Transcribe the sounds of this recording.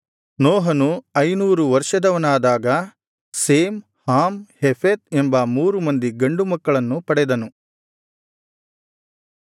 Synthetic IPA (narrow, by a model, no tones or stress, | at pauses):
nɔːɦɐnuɐjnuːɾuʋɐɾʂɐd̪ɐʋɐnaːd̪aːɡɐ | seːm | haːmhefʰet̪̚embɐmuːɾumɐnd̪iɡɐɳɖumɐkːɐɭɐnːupɐɽɛd̪ɐnu